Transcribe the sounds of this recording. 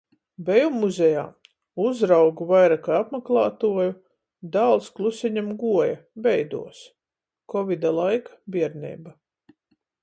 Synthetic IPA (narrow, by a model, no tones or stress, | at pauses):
bɛjumːuzʲɛja̰ː | uzɾawɡuvajɾakaapmaklˠaːt̪uɔju | d̪aːlˠsklˠusiɲamɡuɔjabɛjd̪ṵɔs | kɔvʲid̪alˠajkḁbʲiɛɾnʲɛ̰ːba